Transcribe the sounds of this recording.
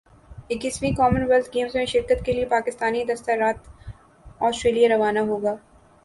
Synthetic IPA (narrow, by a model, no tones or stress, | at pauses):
ɪkɪsmĩkɔːmənʋɛlt̪ʰɡeːmzmẽʃɪɾkət̪keliepaːkɪst̪aːnid̪ɐst̪aɾaːt̪ | ɔːsʈɾeːlijaɾɐʋaːnaɦoːɡaː